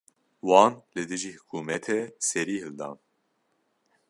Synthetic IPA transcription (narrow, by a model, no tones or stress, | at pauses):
wɑːnlɨd̪ɨʒiːhɨ̥kʰuːmɛt̪ʰɛsɛɾiːhɨld̪ɑ̰ːn